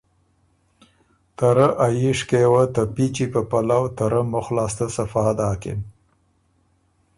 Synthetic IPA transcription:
t̪aɾəʔajiʂkewət̪apit͡ʃipəpalawt̪aɾəmʊxlɑːst̪əsafɑːd̪ɑːkɪ̰m

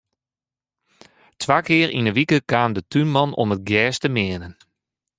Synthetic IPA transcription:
tʰʋaːkɪərʔḭnəʋikəkaːndətʰynmɑnɔ̰mət̚ɡjɛːstəmɪənən

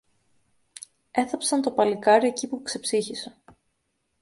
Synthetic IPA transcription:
e̞θɐpsɐnt̪o̞pɐlikɐɾie̞cipukse̞psiçise

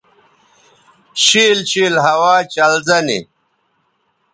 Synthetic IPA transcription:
ɕiːlɕiːlɦɐwaːt͡ɕɐlzɐnḭ

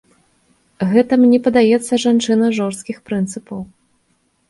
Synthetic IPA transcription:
ɣɛt̪ɐmnʲɛpɐd̪ajɛt̪sːɐʐant͡ʂɨnɐʐɔʂst̪kʲixpɾɨnt̪sɨpɐw

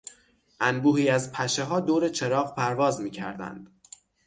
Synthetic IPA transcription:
ʔænbuːɦiːæzpʰæʃeɦɒːd̪oːɾet͡ʃʰe̞ɾɒːʁpʰæɾvɒːzmiːcʰæ̰ɾd̪æ̰nd̪̥

